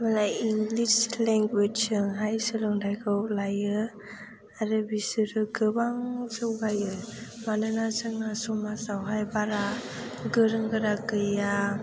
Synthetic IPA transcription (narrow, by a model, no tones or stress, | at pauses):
malajiŋɡlisleŋɡwed͡ʒsɯŋɦajsɯlɯŋdajɡɯwlajɯ | aɾɯbisɯɾɯɡɯbaŋzɯwɡajɯmanɯnazɯŋasɔmasawɦajbaɾaɡɯɾɯŋɡɯɾakɯja